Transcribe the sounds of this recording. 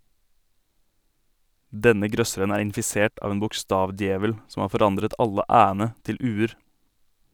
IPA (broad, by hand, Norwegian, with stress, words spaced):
ˈdɛnə ˈɡɾœsəɾən ˈæːɾ ɪnfɪˈseːʈ ˈɑːʋ ˈeːn bʊkˈstɑːʋˌdjeːʋəl ˈsɔm ˈɑː fɔˈɾɑndɾət ˈɑlə ˈʔæːənə ˈtɪl ˈʔʉːəɾ